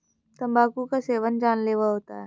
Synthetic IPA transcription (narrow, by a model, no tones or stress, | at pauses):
t̪ɐmbʱaːkukaseːʋənd͡ʒaːnleːʋaɦoːt̪a̰ɦɛː